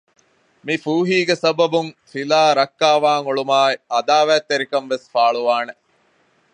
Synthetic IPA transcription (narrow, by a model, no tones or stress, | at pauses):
mifuːɦiːɡesɐbɐbuŋfilaːɾɐkːaːʋaːŋoɭumaːiʔɐd̪aːʋæːt̪ːeɾikɐnʋesfaːɭuʋaːne